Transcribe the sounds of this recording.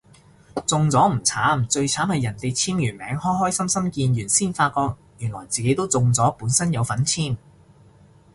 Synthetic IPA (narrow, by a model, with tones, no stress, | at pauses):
t͡sʊ˨ŋt͡sɔː˨˥m̩˨˩t͡sʰaː˨˥mt͡sɵ˧ɥt͡sʰaː˨˥mhɐ˨jːɐ˨˩nt̪e˨jt͡sʰiː˥mjyː˨˩nmɛ̰ː˨˥ŋhɔː˥jɦɔː˥jsɐ˥msɐ˥mkiː˧njyː˨˩nsiː˥nfaː˧t̚kɔː˧k̚ | jyː˨˩nlɔː˨˩jt͡siː˨ke˨˥jt̪o˥wt͡sʊ˨ŋt͡sɔː˨˥puː˨˥nsɐ˥njɐ˨˧wfɐ˨˥nt͡sʰiː˥m